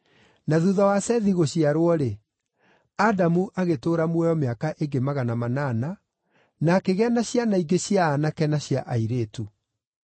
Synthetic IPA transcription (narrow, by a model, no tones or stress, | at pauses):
naðuðawasɛðiɣoɕiaɾwɔɾe | adamuʔaɣetoːɾamwɛɔmeakaʔeɡemaɣanamanana | nakeɣeanaɕjanaiɡeɕjaːnakɛnaɕja̰ʔaiɾeːtu